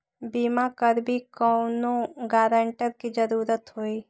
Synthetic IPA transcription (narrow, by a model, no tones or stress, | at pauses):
bimakəɾbʱikɔʊnoɡaːɾə̃ɳʈəɾkid͡ʒəɾuːɾət̪ɦoːi